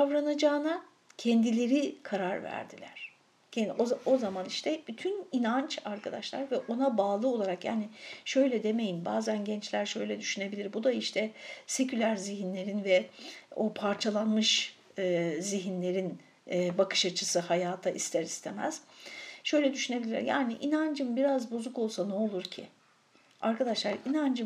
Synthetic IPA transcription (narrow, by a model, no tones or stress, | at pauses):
avɾanad͡ʒaːna | cʰɛnd̪ilʲe̞ɾikʰaɾaɾvæ̰ɾd̪ilʲæ̰ɾ̥ | cʰɛoao̞zamaniʃt̪ʰɛb̥yt̪ʰyninant͡ʃaɾkʰad̪aʃlˠaɾvɛʔo̞nabaːlˠɯo̞lˠaɾakja̰ːniʃø̞jlʲɛd̪e̞me̞jinbaːzænɟɛnt͡ʃlʲæɾʃø̞jlʲɛd̪yʃyne̞bilʲiɾbud̪aiʃt̪ʰɛse̞cʰylʲæɾziɦinlʲe̞ɾinvɛo̞pʰaɾt͡ʃʰalˠanmɯʃ | ɯziɦinlʲe̞ɾinː | bakʰɯ̥ʃat͡ʃʰɯsɯhajaːt̪ʰaʔist̪ʰɛɾist̪ʰemæ̰z̥ʃø̞jlʲɛd̪yʃyne̞bilʲḭɾja̰ːniʔinand͡ʒɯmbiɾazbozuko̞lˠsanuolˠuɾcʰḭ | aɾkʰad̪aʃlˠaɾinand͡ʒɯm